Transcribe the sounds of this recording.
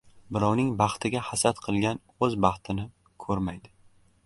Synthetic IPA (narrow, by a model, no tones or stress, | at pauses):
bɪɾɒwnɪŋbɑχt̪ʰɪɡʲahasat̪qʰɨlˠɡʲan | ɵzbɑχt̪ʰɪnɪ | kʰɵɾmajd̪ɪ